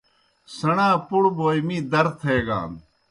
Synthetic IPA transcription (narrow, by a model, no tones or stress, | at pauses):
sɐɽãːpuɽbʱoːimiːd̪ɐɾt̪ʰeːɡã̰ːn